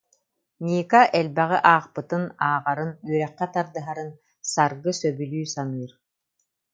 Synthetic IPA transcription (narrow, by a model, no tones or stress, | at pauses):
nʲiːkaʔɛlbɛʁiʔaːχpɯt̪ɯnaːʁaɾɯnyœɾɛχːɛt̪aɾd̪ɯɦaɾɯn | saɾɡɯsœbylʲyːsanɯːɾ